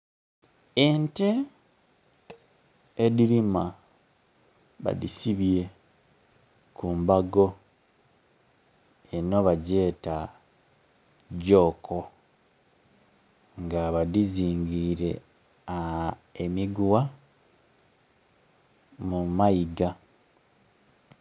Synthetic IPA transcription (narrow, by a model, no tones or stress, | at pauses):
ente | diɾima | βa̰disiβje̞ | kuːmbaɡo̞ | eno̞βaɟe̞ːta | ɟo̞ːkʰo | ŋɡaβadiziːŋɡiɾe̞ | aemiɡuwa | mumajiɡa